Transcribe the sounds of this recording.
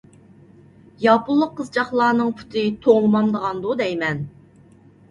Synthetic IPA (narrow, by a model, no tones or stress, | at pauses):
jɑpʊlˠːəqːəzd͡ʒɑχlˠɑːnɨŋpʰu̥t̪ʰɪt̪ʰoʁlˠəmɑmd̪əʁɑnd̪ud̪ɛjmɛn